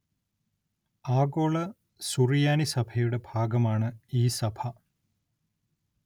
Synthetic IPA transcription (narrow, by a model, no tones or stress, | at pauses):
aːɡoːɭɐ | suɾijaːnisɐpʰejuɖəbʱaːɡɐmaːɳəiːsɐpʰa